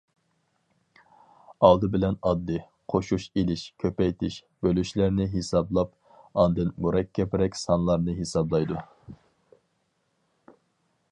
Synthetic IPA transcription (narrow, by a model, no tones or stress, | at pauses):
ɑlˠd̪ɨbɪlɛnɑd̪ːɨ | qʰoʃuʃelɪʃkʲʰøpɛjt̪ʰɪʃ | b̥ølyʃlɪɾnɪɦesɑblˠɑp̚ | ɑnd̪ɨnmuɾɛkʲʰːɛpɾɛkʲsɑnlˠɑɾnɨɦesɑblˠɑjd̪u